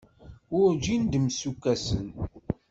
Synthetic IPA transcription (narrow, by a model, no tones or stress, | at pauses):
ʊɾd͡ʒind̪əmsukːæsə̰n